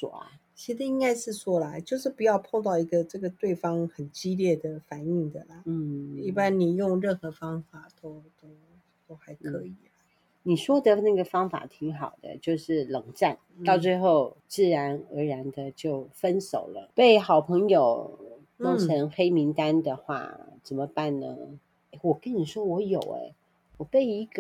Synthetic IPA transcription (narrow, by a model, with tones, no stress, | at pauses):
swɔ̰˨˩ɐ̰˧˦ | t͡ɕʰi˧˥ə˧i˥ŋka˥ɪʂɻ̩˥˧swɔ˥la˧˥ɪt͡ɕjo˥˧ʊʂɻ̩˥˩pu˨˩jɑ˥˧ʊpʰɑ˥˧ŋt̪ɑ˥˩ʊi˧˥ɡə˧ʈ͡ʂɤ˥˩ɡə˩t̪we˥˩ɪfɑ˥ŋxə˨˩nt͡ɕi˥ljɛ˥˩d̪ə˩fa˨˩ni˥˩ŋd̪ə˩lə˩˧i˥˩pa˥nni˨˩jʊ˥˧ŋɻə˥˩nxɤ˧˥fɑ˥ŋfa˨˩t̪o˥ʊt̪o˥ʊ | t̪o˥ʊxa˧˥ɪkʰɤ˧˥i˨˩lə˩˦ | ni˨˩ʂwɔ˥d̪ə˨na˥˩ɡə˩fɑ˥ŋfa̰˨˩t̪ʰi˧˥ŋxɑ˨˩ʊd̪ə̰˦t͡ɕjo˥˧ʊʂɻ̩˥˩lɤ˨˩ŋʈ͡ʂa˥˩nt̪ɑ˥˧ʊt͡swe˥˧ɪxo˥˧ʊt͡sɹ̩˥˩ɻa˧˥nə˧˥ɻa˧˥nd̪ə˧t͡ɕjo˥˩ʊfə˥nso˨˩ʊlə˦pe˥˩ɪxɑ˨˩ʊpʰɤ˧˥ŋjo˨˩ʊ | no˥˩ʈ͡ʂʰə˧˥ŋxe˥ɪmi˧˥ŋt̪a˥nd̪ə˨xwa̰˥˩t͡sə˨˩nmə˦pa˥˩nnə̰˩ | e˥˩ɪwɔ˨˩kə˧˦nni˨˩ʂwɔ˥wɔ˧˥jo˨˩ʊɛ̰˦ | wɔ˨˩pe˥˩ɪi˧˥ɡə˧